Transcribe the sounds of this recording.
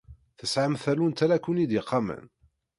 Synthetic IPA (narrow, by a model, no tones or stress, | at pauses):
θəsʕəmθælunt̪ælækːunid̪jɪqʰːɑmə̰n